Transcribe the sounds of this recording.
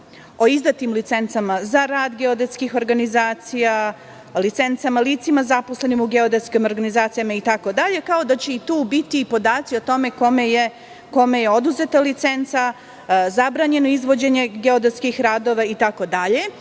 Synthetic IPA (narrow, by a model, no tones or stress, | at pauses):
o̞izd̪at̪imlit̪se̞nt̪samazaɾaːd̪ɡeo̞d̪et̪skixo̞ɾɡanizaːt̪sija | lit̪se̞nt̪samaliːt̪simazapo̞sle̞nimuɡe̞o̞d̪et̪skimo̞ɾɡanizaːt̪sijamait̪ako̞d̪aʎe̞kao̞d̪at͡ɕe̞it̪uːbit̪iːpo̞d̪aːt̪sio̞t̪o̞me̞ko̞meje | ko̞me̞je̞o̞d̪uze̞t̪alit̪se̞nt̪sa | zabɾaːɲe̞noizʋo̞d͡ʑe̞ɲe̞ɡeo̞d̪et̪skixɾaːd̪o̞ʋait̪ako̞d̪aʎe̞